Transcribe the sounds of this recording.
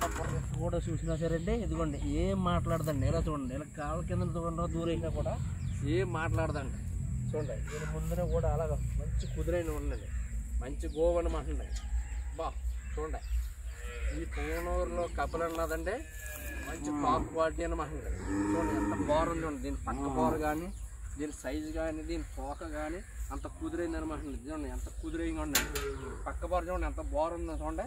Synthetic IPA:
ɐpɐɾɐskuːɽaːt͡ʃuːsinaːs̬ɐɾɐɳʈeid̪ukoɳɖeeːmːaːʈlaːɽɐd̪ɐɳɖɛlaːt͡ʃuːɳɐɳɖɐlɐkaːlɐkːend̪ɐnt̪uɡɐɳɖod̪uːɾɐinakuːɽaː | eːmːaːʈlaːɽɐd̪ɐɳɖe | t͡ʃoːɳɖɐinimund̪ɐneːkuːɽaːlaːɡamɐɲt͡ʃukud̪uɾɐjnuːɾnɐɳɖimɐɲt͡ʃuɡoːʋɐnumaːɦɐɳɖɐ̰ɳɖbaːt͡ʃoːɳɖa | iːtujnoːɾlo̞ːkɐbɐlɐnːaːd̪ɐɳɖeː | mɐɲt͡ʃipaːpkʋaːliʈiːɐnimaːɦiɳɖɐt͡ʃuːɳɖɐɐnt̪ɐbaːɾɐnd̪uʋɳd̪iːnːipɐkːɐbaːɾɐɡaːnid̪iːnisɐjd͡ʒɡaːnid̪iːnit̪ɔːkɐɡaːni | ɐnt̪ɐkud̪uɾɐjind̪ɐnimaːɦiɳɖd̪iɐɳːajɐnt̪ɐkud̪uɾɐjŋɡɐɳːɐnipɐkːɐbaːɾd͡ʒɐːɳɐnt̪ɐbaːɾɐnd̪ɐnt͡ʃuːɳɖeː

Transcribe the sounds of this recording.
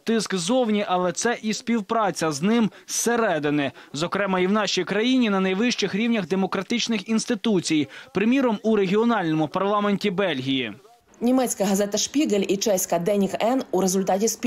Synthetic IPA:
t̪ɪskzɔwnʲiʔɐlˠɛt̪sɛʔispʲiwpɾɑt͡sʲɐznɪm | seɾɛd̪ɪnɪzɔkɾɛmɐiwnɑʃʲijkɾɐjinʲinɐnɐjʋɪʃt͡ʃɪxɾʲiwnʲɐɣd̪emɔkɾɐt̪ɪt͡ʃnɪxinst̪ɪt̪ut͡sʲijpɾɪmʲiɾɔmuɾe̞ɦʲiɔnɑlʲnɔmʊpɐrlˠɑmenʲtʲibɛlʲɦʲiji | nʲimɛt͡sʲkɐɦɐzɛt̪ɐʃpʲiɡɐlʲit͡ʃɛsʲkɐd̪ɛnʲikɛnuɾezʊlʲt̪ɑtʲispʲ

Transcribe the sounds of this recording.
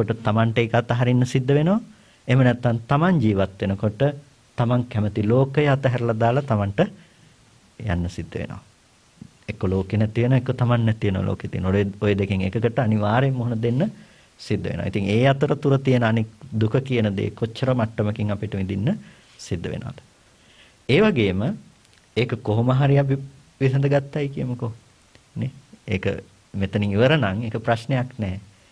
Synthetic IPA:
koʈət̪amaɳʈəekat̪ːaɦaɾinːəsid̪ːəʋenoʋa | emənɛt̪ːant̪amaɲd͡ʒiːʋat̪ʋenəkoʈə | t̪amaŋkɛmət̪iloːkəjəat̪əɦɛɾəlad̪aːlat̪amaɳʈə | ja̰nːəsid̪ːəʋḛno̰ʋa | ekːoloːkenɛt̪iʋenoʋekːot̪amannɛt̪iʋenoʋa̰lo̰ːkejt̪ijənojeojed̪ekeŋekəkəʈəaniʋaːɾemːoɦunəd̪enːə | sid̪ːə̰ʋḛno̰ːit̪iŋeːat̪əɾət̪uɾət̪ijənəanikd̪ukʰəkijənəd̪ḛːkot͡ʃːəɾəmaʈːəməkiŋapiʈəʋid̪inːə | sid̪ːəʋḛno̰ːa̰d̪ə̥ | eːʋaɡeːmə | eːkəkoɦoməɦaɾiap̬i | ʋisɐd̪əɡat̪ːajkijəməko | neḛːkə̰ | met̪əniŋiʋəɾənaŋekəpɾasnejaknɛː

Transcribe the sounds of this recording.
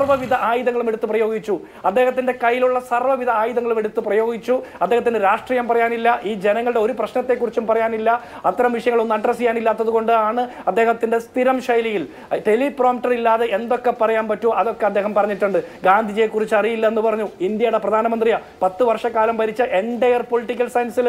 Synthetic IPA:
ɐrʋɐʋid̪ɐʔaːjiðɐŋːɐɭume̞ɽut̪ːuprɐjo̞ːɡit͡ɕːu | ɐd̪ːe̞ːɦɐt̪̬ːinde̞kɐjːiluɭːɐsɐrʋɐʋid̪ʱɐaːjiðɐŋːɐɭume̞ɽut̪ːuprɐjo̞ːɡit͡ɕːuɐd̪ːeːɦɐt̪ːindɨɾaːʂʈriːjɐmpɐrɐjaːnilːɐʔiːd͡ʑe̞nɐŋːɐɭɖeo̞ɾuprɐɕnɐt̪ːe̞kːurit͡ɕːumpɐrɐjaːnilːɐ | ɐt̪ːɐɾɐmʋiʂɐjɐŋːɐɭonːɐʈrɐsijaːnilːaːt̪ːɐðuɣo̞ɳɖɨaːɳɨɐd̪ːe̞ːhɦɐt̪ːinde̞st̪iɾɐmʂɐjlijil | t̪e̞liproːmʈːɐrilːaːðeʔend̪o̞kːe̞pɐrɐjaːnpɐtːuʔɐðo̞kːe̞ɐd̪ːeːɦɐmpɐrɐɲːiʈːuɳɖɨɡaːnd̪ʱid͡ʑijekːurit͡ɕːɐrijilːɐe̞nːupɐrɐɲːuind̪jɐjuɽe̞prɐd̪ʱaːnɐmɐnd̪rijɐpɐt̪ːɨʋɐrʂɐkːaːlɐmʋɐɾit͡ɕːɐʔe̞nɖejɐrpoliʈːik̬ʲːɐlsɐjnsil

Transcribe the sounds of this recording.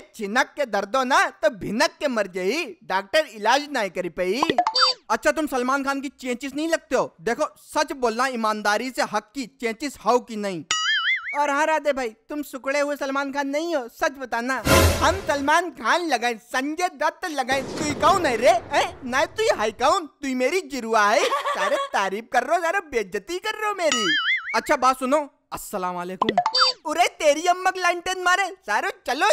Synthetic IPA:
et͡ʃɪnəkːed̪ɐɾd̪onat̪obʱɪnəkːemɐɾd͡ʒəiɖaːk̚ʈəɾɪlaːd͡ʒnaːĩkɐɾipəi | ɐtːʃʰat̪̬ʊmsɐlmaːnkʰaːnk̬it͡ʃẽːt͡ʃɪsnɐĩlɐɡ̚t̪eɦoːd̪eːkʰosɐt͡ʃboːlnaɪmaːnd̪aːɾiseɦɐkːit͡ʃẽːt͡ʃɪshawkinaĩ | ɐːɾɦãːɾaːd̪ebʱaːit̪ʊmsʊkɽeɦuesɐlmaːnkʰaːnːɐĩɦoːsɐt͡ʃbɐt̪aːnaɦɐmsɐlmaːnkʰaːnlɐɡaːĩsɐ̃ɲd͡ʒed̪ɐt̪ːlɐɡaːĩt̪uikaũnaĩɾeə̃naːjt̪uiɦaːikaunt̪uimeːɾid͡ʒiɾuːaɦɐsaːɾet̪aːɾiːp̚kɐɾːozaːɾobeːd͡ʒɐt̪ikɐɾːomeːɾiːɐtːt͡ʃʰaːbaːsunoː | ɐsːɐlaːmaleːkʊmʊɾejt̪eːɾiɐmːɐklaɳʈenmaːɾesaːɾot͡ʃɐlo

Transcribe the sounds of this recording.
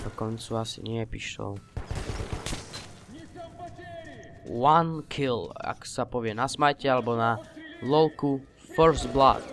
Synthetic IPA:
d̪ɔkɔnt͡suasḭɲɪɛpiʃɔ̰ʊ | wankʰila̰ksapɔʋɪɛnasmajcɛalɛbɔnalɔlku | fɔɾzbla̰t̪

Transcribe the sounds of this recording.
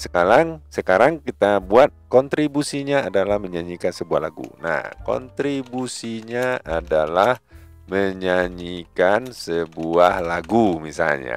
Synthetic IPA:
səkaɾaŋsəkaɾaŋkit̪abuat̪̚kɔnt̪ɾibusiɲaːdalahməɲaɲikansəbua̰ɦlaɡṵna̰hkɔ̰nt̪ɾibusiɲaadalah | məɲaɲikansəbuahlaɡumisa̰lɲa̰

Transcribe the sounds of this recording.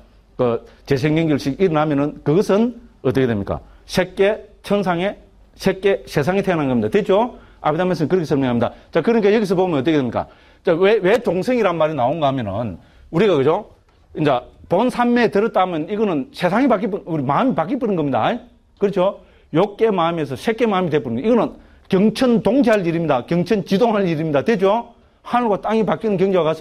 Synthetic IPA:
kɯt͡ɕe̞sʰeŋɡeŋɡuɭɕʰiɡiɾɯnɦamjʌnɯnkɯɡʌsʰɯnʌt͈ʌkedwemɲik͈a̰ɕʰek͈ːet͡ɕʰʌns̬ʰaŋe̞ | ɕʰek͈ːeɕe̞s̬ʰaŋitʰenɦanɡʌmɲidatet͡ɕʰo | a̰bidames̬ʰɯnkɯɾɯkʰesʰʌɭmjʌŋamɲid̪a̰t͡ɕakɯɾɯnikʰejʌɡis̬ɯɭpoɡmjnʌt͈ʌkeemɲik͈a̰ | t͡ɕawewe̞t͡ɕoŋsʰɯŋiɾanmaɾinaonɡaɦamjʌnɯn | uɾiɡakɯd͡ʑo | ind͡ʑaponsʰanmeteɾʌt͈amjʌniɡʌnɯnsʰe̞sʰaŋepak͈ip̬ɯuɾimaɯmipak͈ip͈ɯnɯnɡʌmɲida̰ | kɯɾt͡ɕʰo | jok͈ːe̞mamies̬ʰʌɕʰek͈ːemamitep͈ɯɾnɯnɡiɡʌnɯn | kjʌŋt͡ɕʰɯntoŋd͡ʑiɦaliɾimɲidakjʌŋt͡ɕʰʌnt͡ɕidoŋɦaɭiɾimɲidatwed͡ʑo | hanɯɡwat͈aŋipak͈inɯnkjʌŋɡewakas͈ɯ

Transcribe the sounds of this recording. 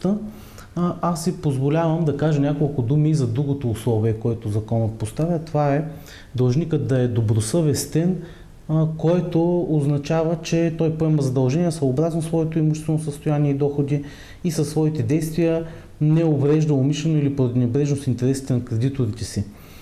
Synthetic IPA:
t̪ə | asːipozvolʲavəmd̪ɐkaʒɐnʲakolˠkʊd̪umiːzɐd̪ɾuɡot̪oːslˠɔviəkoɛt̪ozɐkɔnət̪̚post̪avʲət̪ovaɛ | d̪ɐlˠʒnikət̪̚d̪ɐɛd̪obɾosəvɛst̪ɛn | kɔɛt̪oːznɐt͡ʃavət͡ʃɛt̪ɔjpoɛmɐzɐd̪ɐlˠʒɛniəsvəobɾaznosvɔɛt̪oimuʃtɛst̪vɛnosəst̪ojaniɛid̪ɔxod̪i | isɐsːvɔit̪ɛd̪ɛjst̪vijə | nɛovɾɛʒd̪əomiʃlɛnoilipɾod̪ʲnɛbɾɛʒnosint̪ɛɾɛsi̥t̪ɛnɐkɾɛd̪it̪oɾit̪ɛsi

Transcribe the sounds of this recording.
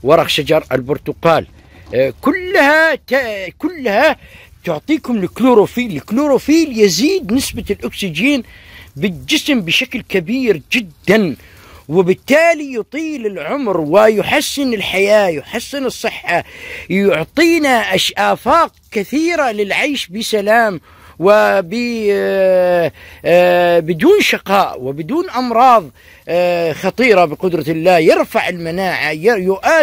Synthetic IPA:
wɑɾˤɑxʃad͡ʒɑɾˤa̰lbʊɾt̪ʊqɑːl | kʊlːhat̪akʊlːha | t̪ʊʕt̪ˤiːkʊmlɪkluːɾofiːlɪkluːɾofiːljɪziːd̪nɪsbalʔʊksɪd͡ʒiːnbɪld͡ʒɪsmbɪʃaklkabiːɾd͡ʒɪd̪ːan | wɪbɪt̪ːaːlijʊt̪ˤiːlɪlʕʊmɾwɪjʊħasːɪnɪlħajaːjʊħasːɪnɨsˤːɨħːajʊʕt̪ˤiːnaʔaʃʔaːfaːq̚kɪθiːɾalɪlʕajʃbɪsalaːm | wɪbɪ | bɪd̪uːnʃɪqɑːʔwɪbɪd̪uːnʔɑmɾˤɑːðˤ | xɑt̪ˤiːɾˤɑbɪqʊd̪ɾˤɑlːaːjɪɾfaʕɪlmanaːʕajjʊʔaː

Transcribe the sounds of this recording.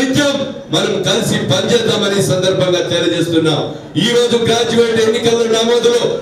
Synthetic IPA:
iɲt͡ʃɐmː | ɐnɐmkɐlisipɐɲd͡ʒɛːd̪aːmɐniːsɐnd̪ɐɾbʱɐŋɡaːt̪ɛːɾɐd͡ʒe̞ːs̬t̪unːaːm | iːɾo̞ːd͡ʒuɡɾaːd͡ʒiʋɐjʈe̞nːikɐlːɐɡɾaːmaːd̪loː

